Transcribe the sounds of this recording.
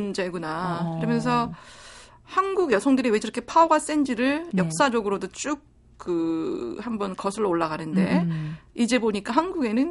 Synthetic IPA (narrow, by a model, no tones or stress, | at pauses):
nd͡ʑeɡunakɯɾʌmjʌns̬ʰʌ | hanɡuɡjʌsʰʌŋdɯɾiwed͡ʑiɾʌkʰepʰaoɡas͈end͡ʑiɾɯɭjʌk̚s͈ad͡ʑʌɡɯɾodot͡ɕ͈uk̚ | k͈ɯhambʌnkʌsʰɯɭːooɭːaɡanɯnde̞id͡ʑe̞boɲik͈aɦanɡuɡe̞nɯn